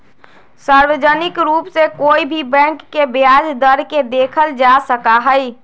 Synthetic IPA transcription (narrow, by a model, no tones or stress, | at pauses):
saɾʋəd͡ʒənɪkɾuːpsekoibʱibɛ̃ŋkːebjad͡ʒd̪əɾked̪ekʰəld͡ʒasəkaɦəj